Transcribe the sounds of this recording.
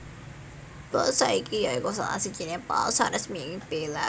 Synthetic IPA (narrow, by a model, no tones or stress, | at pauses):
b̥ɔlsaikijaikosa̰la̰si̥d͡ʒinɛpa̰lsaɾɛsmiŋb̥ela